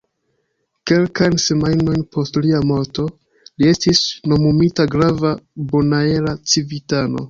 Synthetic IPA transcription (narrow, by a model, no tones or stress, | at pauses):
ke̞lkajnse̞majno̞jnpʰo̞stliamo̞ɾto̞ | lie̞stisno̞mumitaɡɾavabonae̞lat͡sivitano̞̰